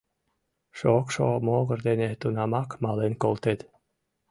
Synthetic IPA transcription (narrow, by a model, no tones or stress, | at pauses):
ʃokʃomoːɣrd̪eneht̪unamakmalenkolt̪ed̪